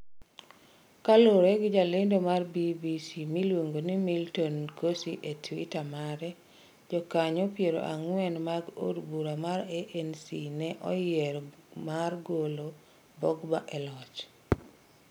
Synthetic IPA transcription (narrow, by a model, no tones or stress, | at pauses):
kaloɾeɡɪd͡ʒalɪndomarbibisimilwoŋɡonimiltɔnkosiʔetwitamaɾɛ | d͡ʒɔkaɲɔpjeɾo̰ʔa̰ŋwɛnmaɡo̰dbuɾamaɾɛʔɛnsinɛʔɔjɪɛɾmarɡolo | bɔɡbaʔɛlɔt͡ʃ